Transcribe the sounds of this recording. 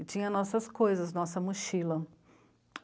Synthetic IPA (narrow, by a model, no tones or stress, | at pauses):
ɪt͡ʃĩɲɐnɔsɐskojzɐznɔsɐmʊʃilɐ